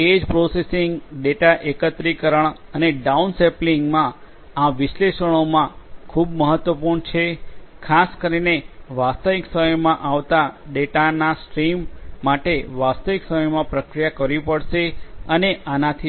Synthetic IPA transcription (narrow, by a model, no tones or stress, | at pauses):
ed͡ʒpɾosesiŋɡɖeʈaʔekət̪ɾikəɾəɳ̃əneɖaunsepliŋɡmã | ãʋɪʃleʃəɽ̃omãkʰubməɦət̪ʋəpuɾɳt͡ʃʰekʰaskəɾineʋast̪əʋiksəməjmãʔaʋt̪aɖeʈanasʈɾimːaʈeʋast̪əʋiksəməjmãpɾəkɾijakəɾipəɽʃeəneanat̪ʰi